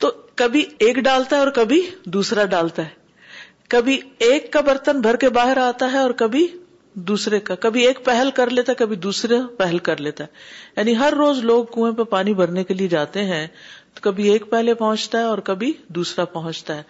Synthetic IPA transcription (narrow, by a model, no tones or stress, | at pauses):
t̪oːkɐbʱieːkɖaːlt̪aɦɛɔːɾkɐbʱid̪uːsɾaɖaːlt̪aɦɛː | kɐbʱieːkːabɐɾt̪ənbʱɐɾkebaːɦɪɾaːt̪aɦɛɔːɾkɐbʱi | d̪uːsɾekakɐbʱieːkpɛɦəlkɐɾleːt̪aɦɛkɐbʱid̪uːsɾapɛɦəlkɐɾleːt̪aɦɛːjaːniɦɐɾːoːzloːɡ̚kũːẽpepaːnibɐɾnekelied͡ʒaːt̪eɦɛ̃ːt̪okɐbʱieːk̚pɛɦlepɐɦʊ̃t͡ʃt̪aɦɛɔːɾkɐbʱid̪uːsɾapɐɦʊ̃t͡ʃt̪aɦɛː